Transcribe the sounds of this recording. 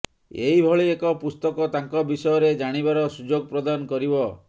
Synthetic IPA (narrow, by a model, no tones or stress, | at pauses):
ḛɦibʱɔɭiekɔpust̪ɔkɔt̪aŋkɔbisɔjɔɾed͡ʒaɽ̃ibaɾɔsud͡ʒoɡ̚pɾɔd̪anɔkɔɾibɔ